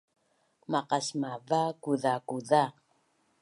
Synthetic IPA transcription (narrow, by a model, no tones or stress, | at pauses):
maqasmavakuðakuða